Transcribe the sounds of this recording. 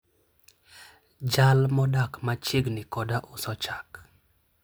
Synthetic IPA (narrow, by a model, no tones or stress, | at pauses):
d͡ʒalmɔdakmat͡ʃɪɡnɪkɔdaʔʊsɔt͡ʃak